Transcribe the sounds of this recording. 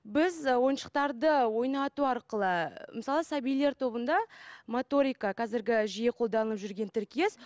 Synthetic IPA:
bɪzwo̞jənʃə̥qt̪ɑɾd̪əwo̞jnɑt̪uɑɾqəlˠəməsɑlˠəsɑbijle̞ɾt̪ʰo̞bənd̪ɑmot̪o̞ɾijkɑqʰɑzɪɾɡʲɪʒije̞qʰo̞lˠd̪ɑnələpʒʏɾɡʲe̞nt̪ʰɪɾkʲije̞s

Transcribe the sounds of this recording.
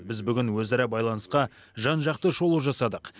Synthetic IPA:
bɪzbʏɡʲɪnwɵzɑɾɑbɑjlˠɑnəsqɑ | ʒɑnʒɑqt̪əʃo̞lˠuʒɑsɑd̪əq

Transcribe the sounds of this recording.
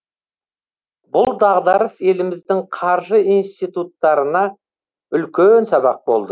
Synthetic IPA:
bʊlˠd̪ɑʁd̪ɑɾəse̞lɪmɪzd̪ɪŋqʰɑɾʒəinst̪ijt̪ut̪ːɑɾənɑ | ʏlkʲensɑbɑq̚bo̞lˠd̪ə

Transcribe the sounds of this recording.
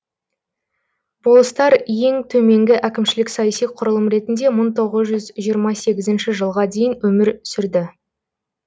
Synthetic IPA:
bolˠəst̪ɑɾje̞ŋt̪ʰɵme̞ŋɡʲɪʔækʲɪmʃɪlɪksɑjɑsijqʰʊɾəlˠəmɾe̞t̪ɪnd̪e̞məɴt̪ʰo̞ʁəzʒʏzʒijəɾmɑse̞ɡʲɪzɪnʃɪʒəlˠʁɑd̪e̞jɪnwɵmɪɾʏsɪɾd̪ɪ

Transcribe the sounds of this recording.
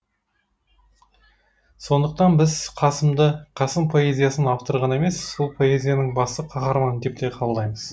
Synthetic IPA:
so̞nd̪əq̚t̪ɑnbɪzqʰɑsəmd̪əqʰɑsəmpʰo̞e̞zʲijasənɑpt̪əɾʁɑne̞me̞ssolˠpʰo̞e̞zʲijanəɴbɑst̪əqʰɑχɑɾmɑnd̪e̞p̚t̪e̞qʰɑlˠd̪ɑjməz̥

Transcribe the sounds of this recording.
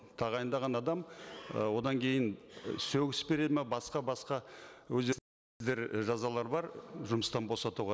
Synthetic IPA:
t̪ʰɑʁɑjənd̪ɑʁɑnɑd̪ɑmwo̞d̪ɑŋkʲʰe̞jɪnsɵwɡʲɪsbe̞ɾe̞d̪ɪmebɑsqɑbɑsqɑwɵzd̪e | zd̪e̞ɾʒɑzɑlˠɑɾbɑɾʒʊməst̪ɑnbo̞sɑt̪uʁɑ

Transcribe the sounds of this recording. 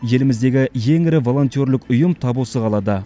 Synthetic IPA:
je̞lɪmɪzd̪e̞ɡʲɪje̞ŋɪɾɪvo̞lˠo̞nt̪ijo̞ɾlɪkʊjəmt̪ʰɑbulˠsəʁɑlˠɑd̪ə

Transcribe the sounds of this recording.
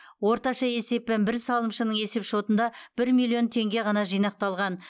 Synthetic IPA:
wo̞ɾt̪ɑʃɑe̞se̞p̚ːenbɪɾsɑlˠəmʃənəɴe̞se̞pʃo̞t̪ənd̪ɑb̥ɪɾmilʲˠijo̞nt̪ʰe̞ŋɡʲe̞ʁɑnɑʒijnɑq̚t̪ɑlˠʁɑn

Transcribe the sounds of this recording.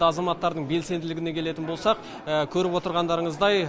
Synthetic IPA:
ɑzɑmɑt̪ːɑɾd̪əɴbe̞lse̞nd̪ɪlɪɡʲɪne̞kʲʰe̞le̞t̪ɪnbo̞lˠsɑq̚ | əkʲʰɵɾɪpwo̞t̪əɾʁɑnd̪ɑɾəɴəzd̪ɑj

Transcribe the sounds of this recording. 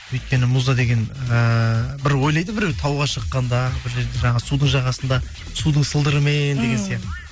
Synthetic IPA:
wɵjt̪̚kʲe̞nɪmuzɑd̪e̞ɡʲe̞nəəbɪɾwo̞jlɑjd̪əbɪɾewt̪ʰɑwʁɑʃəqːɑnd̪ɑbɪɾʒeɾd̪eʒɑɴɑʁəsud̪əɴʒɑʁɑsənd̪ɑ | sud̪əɴsəlˠd̪əɾəmend̪e̞ɡʲe̞nsijɑqt̪ə

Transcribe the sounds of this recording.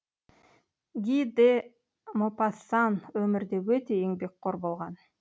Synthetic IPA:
ɡʲid̪e | mopɑsɑnwɵmɪɾd̪ewɵt̪e̞eŋbe̞k̚qʰoɾbo̞lˠʁɑn

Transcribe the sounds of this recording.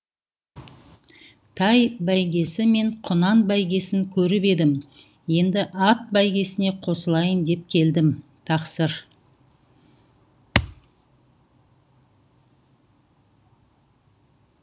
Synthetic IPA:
t̪ʰɑjbæjɡʲe̞sɪme̞ɴqʰʊnɑnbæjɡʲe̞sɪŋkʲʰɵɾɪpe̞d̪ɪm | je̞nd̪ɪʔɑt̪̚bæjɡʲe̞sɪne̞qʰo̞səlˠɑjəmd̪e̞p̚kʲʰe̞ld̪ɪmt̪ʰɑqsəɾ

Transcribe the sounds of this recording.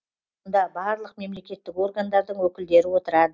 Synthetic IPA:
nd̪ɑbɑɾlˠəqme̞mle̞kʲe̞t̪ːɪko̞rɡand̪ɑɾd̪əɴwɵkʲɪld̪e̞ɾɪwo̞t̪əɾɑd̪ə

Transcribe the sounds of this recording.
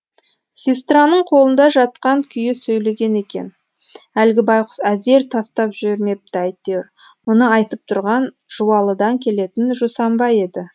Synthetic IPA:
sʲist̪ranəɴqʰo̞lˠənd̪ɑʒɑt̪̚qɑŋkʲʰʏjɪsɵjle̞ɡʲe̞ne̞kʲe̞̰n | ælɡʲɪbɑjqʊ̥sæze̞ɾt̪ʰɑst̪ɑpʒʏɾme̞p̚t̪ɪɑjt̪ːeɾ | mʊnəɑjt̪əp̚t̪ʰʊɾʁɑn | ʒ̥uwɑlˠəd̪ɑŋkʲʰe̞le̞t̪ɪnʒosɑmbɑje̞d̪ɪ

